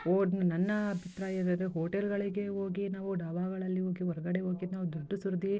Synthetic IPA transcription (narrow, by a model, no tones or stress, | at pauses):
oːnɐnːɐbʱit̪ɾaːjeɾɐeɦoːʈelɡɐɭiɡe̞oːɡinaːʋuɖaːʋaːɡɐɭɐlːioːɡiɦɔɾɐɡɐɽeɦoːɡinaːʋud̪uɖːɐsuɾd̪i